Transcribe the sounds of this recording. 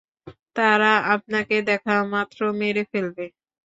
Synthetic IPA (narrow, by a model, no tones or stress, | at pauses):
t̪aɾaʔap̚naked̪ɛkʰamat̪ːɾomeɾefelbe